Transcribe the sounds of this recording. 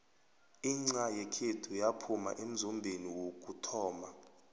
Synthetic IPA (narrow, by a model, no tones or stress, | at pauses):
iŋ͡ǀajɛkʰetʰujapʰuma̰ʔem̩zɔmbʱeniwokʼutʰɔːma